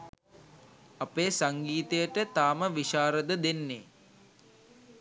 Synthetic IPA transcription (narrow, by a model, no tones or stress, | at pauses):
ɐpeːsaŋɡiːt̪əjəʈət̪aːməʋiʃaːɾəd̪əd̪enːeː